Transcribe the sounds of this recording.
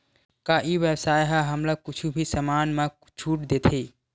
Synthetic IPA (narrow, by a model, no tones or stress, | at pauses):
kaʔiʋjəsaːjɦaɦəmləɡ̚kʊt͡ʃʰubʱisəmaːnme | t͡ʃʰuːʈd̪eːt̪ʰe